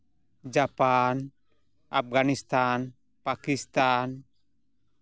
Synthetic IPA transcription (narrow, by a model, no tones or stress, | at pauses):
d͡ʒapan | ʔap̚ɡanist̪an | pakist̪an